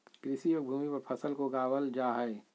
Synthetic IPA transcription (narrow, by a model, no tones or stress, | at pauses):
kɾɪsioːɾbʱuːmipɐɾpʰɐsəlkoɡaːwəld͡ʒaːɦɛe